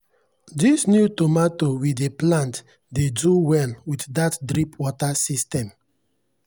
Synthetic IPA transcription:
disnjutomatowideplãnt | deduwɛnwitdatdɾipwɔtasistɛ̃m

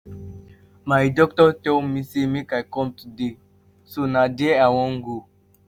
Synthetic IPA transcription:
majdɔk̚tɔtɛwmisimikajkɔmtudi | sunadiɛawɔ̃ŋɡu

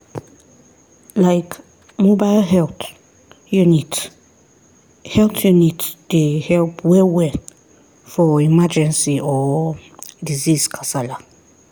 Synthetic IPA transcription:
lajk | mobalhɛlt | junit | hɛltjunitd̥ehɛlpʰwɛwɛ | fɔimad͡ʒɛ̃nsiɔ | diziskʰasala

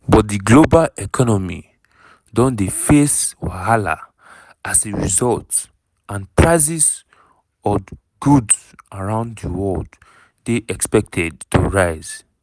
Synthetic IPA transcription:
bɔt̚diɡlobalɛkʰɔnɔmḭ | dɔ̃ndefeswahala̰ | aseɹḭzɔlt | ãnpʰɹaɪs̬is | ɔ | ɡuds | aɹãʊ̃nddiwɔld | deʔɛkspɛk̚tʰɛd̚tʰuɹaɪz

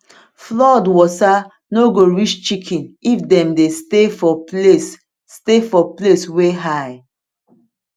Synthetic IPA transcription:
flɔdwɔsa | noɡoɹit͡ʃt͡ʃikʰĩnifdɛ̃mdestefɔes | stefɔplesweɦaɪ

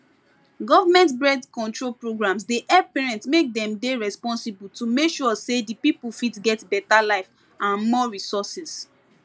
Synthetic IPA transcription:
ɡɔvamɛ̃ntbɹɛdkɔ̃ntɹolpɹoɡɹãmsdeʔɛpɛɹɛ̃ntsmek̚dɛ̃mdeɹɛspɔ̃nsibultumekʃusedipipul̩fitɡɛtbɛtalaɪf | ãnmɔɹisɔsɛs

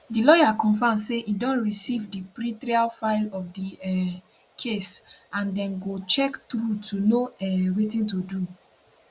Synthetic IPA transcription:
dilɔjakɔ̃nfãmseʔidɔ̃nɹisivdipɹitɾialfaɪlɔfdiɛ | kʰesãndɛ̃nɡot͡ʃɛktɾutunoɛwetĩntudu

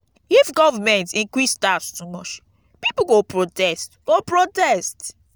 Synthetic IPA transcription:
ifɡɔvəmɛ̃ntĩŋkɹistatstumɔt͡ʃ | pipoɡopɹotɛstɡ̥opɹotɛst

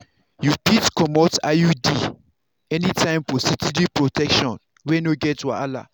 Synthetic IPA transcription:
jupitkɔmɔta̰judi | ɛnitʰãɪ̃mfɔsitidipɹotʰɛkʃɔ̃n | wɛnoɡɛtwa̰ala̰

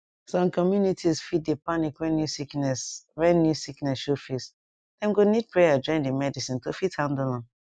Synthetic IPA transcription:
sɔ̃mkɔmjunitʰisfid̚depanikwɛ̃nːjusiknɛsɹɛ̃nːjusiknɛsʃofis | dɛ̃mɡonid̚pɹejad͡ʒɔ̃ɪ̃ndimɛdisĩntofithãndlɔ̃n

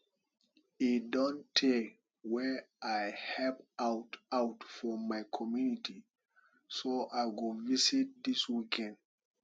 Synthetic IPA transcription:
idɔ̃ntʰe | wɛajhɛpaʊtaʊtfɔmaɪkʰɔmjunitʰi | soʔaɪɡovisit̚d̪iswikʰɛ̃nd

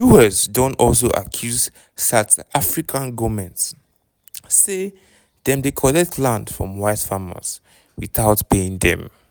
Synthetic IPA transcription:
juɛsdõntɔls̬oʔa̰kʰjuz | satafɹikʰãnɡɔmɛ̃ntsː | e | dɛ̃mdekʰɔlɛk̚tʰlãndfɹɔ̰̃mwaɪtfamə̰z̥ | wiθaʊtpeĩŋdɛ̰̃m

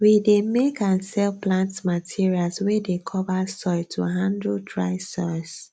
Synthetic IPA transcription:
widemekãnsɛlplãntsmatʰiɹialswedekʰɔvasɔɪtʰṵɦãndɹutʰɹa̰ɪsɔɪs

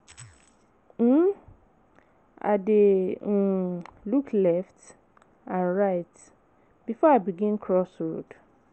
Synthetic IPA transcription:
m̩ | a̰de | luklɛft | ãnɹaɪt | b̥ifɔaɪbiɡĩnkʰɹɔsɹod̥

